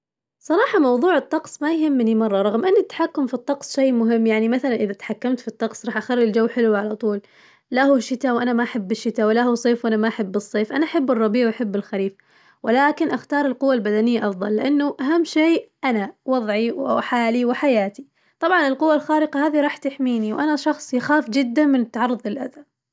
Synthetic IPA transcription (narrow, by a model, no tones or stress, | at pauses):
sˤɑɾˤɑːħɑmɑwðˤuːʕɨt̪ˤːɑqsˤmajɦɪmːnimɑrˤːɑɾˤɑɣmʔɪnːɪt̪ːḁħakːʊmfit̪ˤːɑqsˤʃejːmʊɦɪmːjaʕnimaθalanʔɪðat̪ħakːamt̪fit̪ˤːɑqsˤɾˤɑːħʔaxarˤːɪld͡ʒawːħɪluʕalat̪ˤuːl | lahuʃːɪt̪awʔanamaʔaħɪbːɪʃːɪt̪awɪlahusˤeːfwʔanamaʔaħɪbːɨsˤːeːfʔanaʔaħɪbːɨrˤːɑbiːʕwʔaħɪbːɪlxaɾiːf | wʔɪlaːkɪnʔaxt̪ɑːɾˤɪlqʊwːalbad̪anɪjːaʔɑfðˤɑlːɪʔanːʊʔaɦamːʃeːʔanawɑðˤʕiwħaːliwɪħajaːt̪i | t̪ˤɑbʕɑnɪlqʊwːalxaːɾɪqɑhaːðiɾˤɑːħt̪ɪħmiːniwʔanaʃɑxsˤjɪxaːfd͡ʒɪd̪ːamɪnɪt̪ːaʕɑrˤːʊðˤɪlʔa̰ða